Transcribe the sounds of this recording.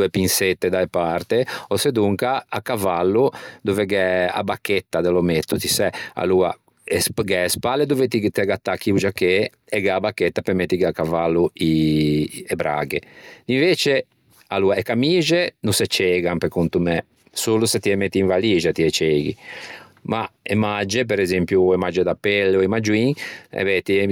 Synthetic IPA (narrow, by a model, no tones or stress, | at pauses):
epinset̪ːed̪aepart̪eosed̪uŋkaakavalːud̪oveɡɛa̰bakːet̪ːad̪elomet̪ːut̪isɛa̰luːa̰ | sɡɛespalːed̪ovet̪it̪ɛɡat̪ːakːiud͡ʒakːe | ɛɡɛabakːet̪ːapemet̪ːiɡakavalːui | ɛbɾa̰ːɡeiɱveːt͡ʃe | aluːaekamiːʒenusɛt͡ʃːɛːɡampekunt̪umɛ | suluset̪iɛmet̪ːiiɱvaliːʒat̪iɛt͡ʃeːɡḭ | maemad͡ʒep̬ɛɾɛzempjuɛmad͡ʒed̪apːɛlːeoɛmad͡ʒuiŋɛ̰bɛt̪i